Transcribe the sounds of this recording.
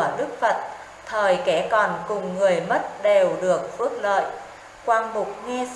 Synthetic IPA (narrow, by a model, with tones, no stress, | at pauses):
ɗɨ˦˥k̚fə˨˩t̚ | t̪ʰəː˨˩jkɛ˧˩kɔ˨˩nkʊ˨˩ŋ͡mːɨ˨˩əjmə˦˥t̚ɗe˨˩wɗɨ˨˩ək̚fɨ˦˥ək̚lə̰ː˧˨j | kwaː˧nɓʊ˨˩k͡p̚ŋɛ˧